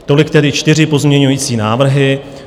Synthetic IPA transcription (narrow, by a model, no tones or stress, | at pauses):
t̪o̞lɪkt̪ɛdɪt͡ʃt̪ɪr̝ɪpo̞zmɲɛɲujiːt͡siːnaːvr̩ɦɪ